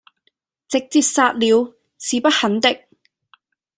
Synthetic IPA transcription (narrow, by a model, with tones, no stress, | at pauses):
t͡sɪ˨k̚t͡siː˧p̚saː˧t̚liː˨˧w | siː˨pɐ˥t̚hɐ˨˥nt̪ɪ˨k̚